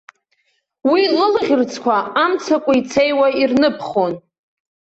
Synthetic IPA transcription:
wilɨlʁʲɪrt͡sʰkʷʰaamt͡sʰakʷʼʊit͡sʰejwairnɨpʰχo̞n

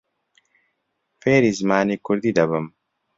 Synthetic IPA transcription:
feːɾizmaːnikuɾd̪id̪ɐbɐm

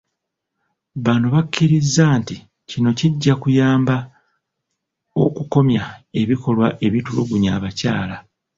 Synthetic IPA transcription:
βanoβakʰːiɾizːaːnti | cino̞ciɟːakujaːmba | o̞kuko̞mjae̞βiko̞lwaʔe̞βituluɡuɲaːβacaːla

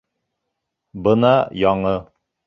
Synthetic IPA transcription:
bɤnɑjɑɴɤ

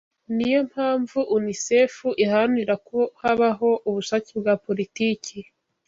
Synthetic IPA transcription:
niijo̞m̥haːɱvuʔunisefuʔihaniɾakohaβaɦo̞ʔuβuʃat͡sibɡaːpo̞ɾitiːci

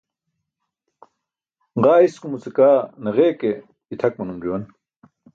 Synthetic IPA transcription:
ʁaːiskumut͡sekaːnɐʁeːke | it̪ʰɐk̚mɐnumd͡ʑuwɐn

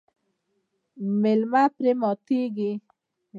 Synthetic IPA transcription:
melmapɾemɔt̪iɡi

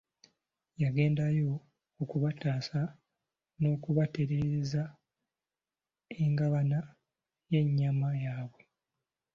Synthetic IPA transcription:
jaɡe̞ːndajo̞ː | kuβataːsa | no̞ːkuβate̞ɾe̞za | e̞ŋɡaβana | je̞ɲːamajaːβwe̞

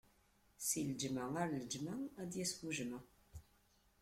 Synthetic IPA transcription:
siləd͡ʒmææɾləd͡ʒmææd̪jæswuʒmæ

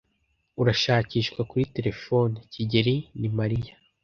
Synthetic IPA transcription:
uɾaʃaːciːʃkwakuɾite̞ɾe̞foniciɟeɾinimaɾijḁ

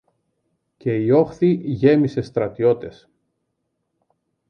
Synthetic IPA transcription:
ce̞io̞xθiʝe̞mise̞st̪ɾɐt̪io̞t̪e̞s

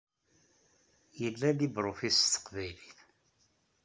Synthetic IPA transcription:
jəlːælibɾˤofist̪ːə̥qvæjliθ

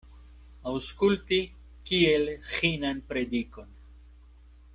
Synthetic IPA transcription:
awskulti | kielxinanpɾed̪iko̞n

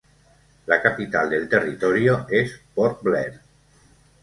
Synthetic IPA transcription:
lakapit̪a̰lˠd̪elˠt̪erit̪ɔɾioespɔɾt̪̚blɛɾ

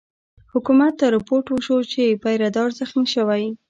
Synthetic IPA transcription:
hʊkumat̪ːaɾɪpoɾʈwəʃot͡ʃepajɾad̪ɑɾzaxmiʃəwaj

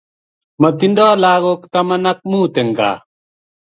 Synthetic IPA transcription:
mɐt̪ind̪aːlaːɣoːkt̪ɐmɐnɐk̚mũːt̪eŋɡa̰ː

